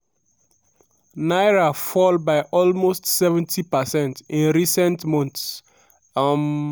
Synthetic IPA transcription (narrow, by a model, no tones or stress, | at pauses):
naɪɹafɔlbaɪʔɔlmostsɛvɛ̃ntʰipəsɛ̃ntĩnɹisɛ̃ntmɔ̃nts | m